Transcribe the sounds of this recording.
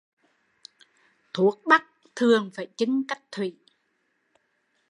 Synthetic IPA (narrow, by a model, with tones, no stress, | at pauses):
t̪ʰu˨˦ək̚ɓa˦˥k̚ | t̪ʰɨ˨˩əŋfaː˧˩jt͡ɕɨ˧˦ŋka˦˥jk̟̚t̪ʰwi˧˩˨